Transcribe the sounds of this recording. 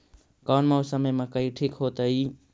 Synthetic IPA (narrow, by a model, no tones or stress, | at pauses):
kaːnmeosəməjmẽkəiʈʰikɦot̪əi